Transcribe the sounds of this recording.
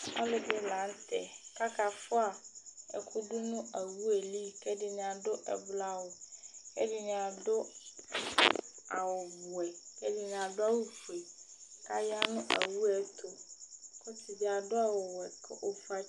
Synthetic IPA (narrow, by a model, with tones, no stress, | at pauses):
ɔ̰˦lɪ˨dɪ˦lã˨˦n˦tʰɛ̰˨ka˦kʰa˨fʊ˦a˨ɛ̰˨kʰʊ˦dʊ˦nʊ̃˦ʔa˨wu˦e˨li˦kɛ˦dɪ˨nɪ̃˨a˨dʊ˦ʔɛ̰˨bla˦wʊ˨kɛ̰˦dɪ˨nɪ̃˨a˨dʊ˦ | a˨wɔ˨bʊ˨ɛ˨kɛ˦dɪ˨nɪ̃˨a˨dʊ˦a˦wu˦fu˨e˨ | ka˦ja˦nʊ̃˦ʔa̰˨wu˦ɛ˨˦tʰo˨kʰɔ˦tʰi˨bi˨a˨dʊ˦a˦˨wɔ˨wɛ˨kʰɛ˦ʔɔ˨fa˦